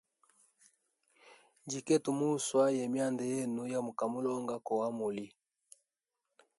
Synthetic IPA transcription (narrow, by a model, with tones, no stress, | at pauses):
nd͡ʒi˨kɛ˦tu˨mu˦˨swa˦jɛ˨mja˦˨ndɛ˨jɛ˦nu˨ja˦mu˨ka˨mu˦lɔ˦ŋɡa˦kɔ˨wa˦mu˨li˦